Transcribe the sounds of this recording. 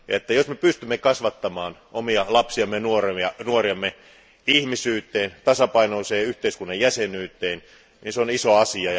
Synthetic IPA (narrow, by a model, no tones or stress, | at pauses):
jɑet̪ːæjosmepyst̪ymːekɑsʋɑt̪ːɑmɑːnʔomiɑlɑpsiɑmːenuoreɑnuoriɑmːe | ihmisyːt̪ːˑeːnt̪ɑsɑpɑinoːseːyht̪eiskunːɑjjæsenyːt̪ːˑeːn | ninseonisoɑsiɑ